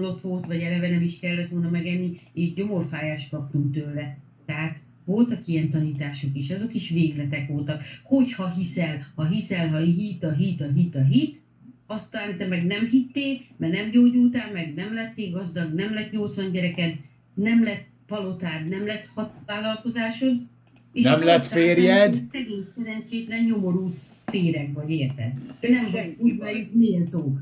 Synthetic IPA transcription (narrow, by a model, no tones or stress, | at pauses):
lo̞t̪ʋo̞lt̪ʋɒɟɛlɛvɛnɛmiʃkɛlːɛt̪ʋolnɒmɛɡɛnːieːʃɟo̞mo̞rfaːjaːʃkɒpt̪unt̪øːlːɛ | t̪ɛɦaːt̪ | vo̞lt̪ɒkijɛnt̪ɒniːt̪aːʃokiʃɛzo̞kiʃʋeːɡlɛt̪ɛkʋo̞lt̪ɒkho̞chɒɦisɛlhɒɦisɛlɦɒɦit̪ɒɦit̪ɒɦit̪ɒɦit̪ | ɒst̪ːant̪ɛmɛɡnɛmɦit̪ːeːmɛrnɛmɟoːɟult̪aːmɛɡnɛmlɛt̪ːeːɡɒzd̪ɒɡnɛmlɛt̪ɲo̞lt̪sʋɒɲɟɛɾɛkɛd̪ | nɛmlɛt̪ | vɒlo̞t̪aːd̪nɛmlɛt̪hɒvaːlɒlko̞zaːʃo̞d̪ | eːʃnɛmlɛt̪ffeːɾjɛd̪sɛɡeːɲsɛɾɛnt͡ʃeːt̪lɛnɲo̞mo̞ɾult̪ | feːɾɛkvɒɟeːrt̪ɛ̰d̪nɛmɦuːɟmɛjykneːlt̪oːk